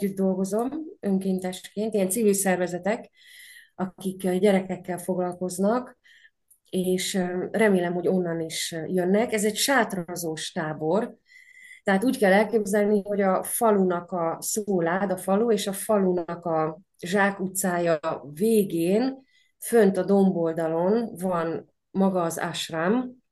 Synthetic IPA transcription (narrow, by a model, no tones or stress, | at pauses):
yd̪̚d̪o̞lɡo̞zo̞mø̞ŋkeːnt̪ɛʃkeːnt̪ijɛnt̪sivilsɛrvɛzɛt̪ɛk | ɒkikɟɛɾɛkɛkːɛlfo̞ɡlɒlko̞znɒk | eːʃrɛmeːlɛmɦo̞ɟo̞nːɒniʃjønːɛkɛzɛcʃaːt̪rɒzoːʃt̪aːbo̞r | t̪ɛɦaːt̪uːckɛlːɛlkeːbzɛlniɦo̞ɟɒfɒlunɒkɒsoːlaːd̪ɒfɒlueːʃɒfɒlunɒkɒ | ʒaːkut̪saːjɒveːɡeːn | fø̞nt̪ɒd̪o̞mbo̞ld̪ɒlo̞nvɒn | mɒɡɒːza̰ʃram